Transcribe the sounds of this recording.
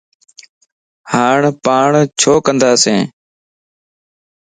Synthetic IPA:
haːɳpaːɳt͡ʃʰoːkənd̪aːsẽː

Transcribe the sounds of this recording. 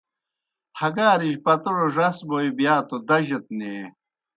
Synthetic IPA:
hɐɡaːɾiʑpɐt̪uɽoʐɐsboibjaːt̪od̪ɐʑɐt̪̚ne

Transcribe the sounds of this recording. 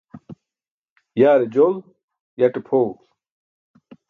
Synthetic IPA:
jaːɾed͡ʑol | jaʈepʰoː

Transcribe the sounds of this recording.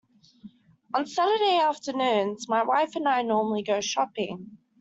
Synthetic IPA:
ə̃nsaɾədeɪɑˑftənʉ̃ːnzmaɪwaɪfə̃naɪnɔːməliɡəʊʃɒpɪ̃ŋ

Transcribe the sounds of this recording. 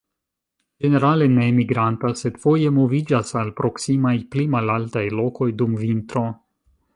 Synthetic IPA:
d͡ʒe̞ne̞ɾale̞ne̞miɡɾantase̞dfo̞je̞mo̞vid͡ʒasalpɾo̞ksimajplimalaltajlo̞ko̞jdumvint̪ɾo̞

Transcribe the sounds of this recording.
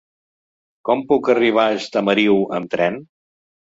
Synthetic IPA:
kɔmpukəriβ̞aəst̪əməɾiwə̰mt̪ɾɛn

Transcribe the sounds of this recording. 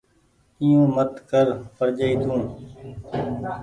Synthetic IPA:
ijũːmət̪kəɾpəɾd͡ʒəiːt̪ʰũː

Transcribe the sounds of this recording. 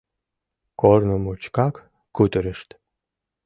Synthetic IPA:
kornəmut͡ɕkɑkː | ut̪əɾəʃt̪

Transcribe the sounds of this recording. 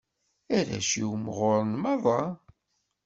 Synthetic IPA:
æɾæ̰ʃiwmʁoɾˤnmɑðˤɑ

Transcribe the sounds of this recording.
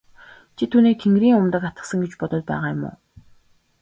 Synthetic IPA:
t͡ɕʰit̪ʰuːniːkt̪ʰeŋɡɾiːŋʊmt̪ə̆kat̪ə̥̆sə̆ŋɡet͡ɕpɔt̪ɞ̆ɮ̚pæ̰ːʁaːjʊmʊ̰ː

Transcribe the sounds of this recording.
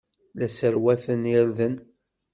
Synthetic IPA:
læsəɾwæθənɪɾðən

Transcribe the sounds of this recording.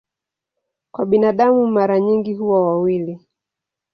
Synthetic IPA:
kwaɓinaɗamumaɾaɲiŋɡiɦuwawawili

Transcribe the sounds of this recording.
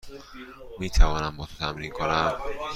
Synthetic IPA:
miːt̪ʰævɒːnæmbɒːt̪t̪ʰæmɾiːŋkʰonæm

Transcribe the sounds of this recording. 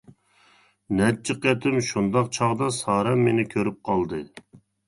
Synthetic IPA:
nɛt͡ʃʰːɨqɛt̪ʰɪmʃund̪ɑqt͡ʃʰɑʁd̪ɑsɑːɾɛmːenɪkʲʰøɾyp̚qʰɑlˠd̪ɨ

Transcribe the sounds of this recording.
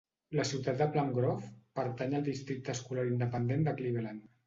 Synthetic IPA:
ləsiwt̪at̪̚d̪əplaŋɡɾɔfpəɾt̪aɲəlˠd̪ist̪ɾik̚t̪əːskulaɾind̪əpənd̪end̪əkliβelan

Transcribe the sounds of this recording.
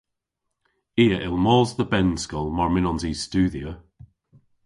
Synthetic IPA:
iːəʔɪlˠmɔːzðəbɛnskɔlˠmɔɹmɪnɔnziːz̥stʉːðiə

